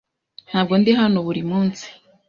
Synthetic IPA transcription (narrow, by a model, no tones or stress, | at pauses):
n̥haːb̚ɡo̞nd̪iɦanoβuɾimuːnsi̥